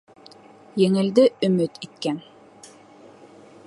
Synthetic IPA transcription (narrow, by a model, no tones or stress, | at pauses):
jeŋɘ̆ld̪ɘɵ̆mɵt̪it̪̚kæn